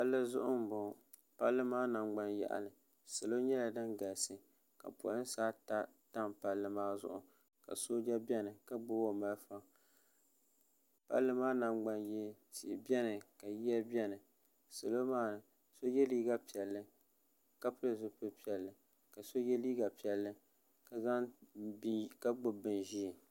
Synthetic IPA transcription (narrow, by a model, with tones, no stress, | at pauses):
pa˦lːɨ˦zʊ̰˦ʔʊ˦m̩˦bʊ˨ | pa˦lːɨ˦maː˦na˨ŋ͡mɡ͡ba˦njɛ̰˨ʔa̰˨nɨ˨ | sa˨lo˦ɲɛ˦la˨nɨ˦ŋɡa˨lsɨ˨ | ka̰˨pɔ̰˨lɨ˦n˦saː˦ta˦ta˦mpa˦lːɨ˦maː˦zʊ̰˦ʔʊ̰˨ | ka̰˨so˦d͡ʒa˦bʲɛ˦nɨ˨ka˦ɡ͡bo˦wo˨ma˦lfa˦ | pa̰˦lːɨ˦maː˦na˨mɡ͡ba˦njɛ˦ | si˨ʔbɛ˦nɨ˨ka˨ji˦a˦bi˦ɛ˦nɨ˨ | sa˨lo˦maː˦nɨ˨ | so˦jɛ˦liː˦ɡa˦pi˨ɛ˨lːɨ˦ | ka˦pɨ˦lɨ˨zʊ˦pɨ˦pi˨ɛ˨lːɨ˨ | ka˨so˦jɛ˦liː˦ɡa˨pi˨ɛ˨lːɨ˦˨ | ka˨za˦ | ka˦ɡ͡bʊ˦bɨ˨nʒi˦˨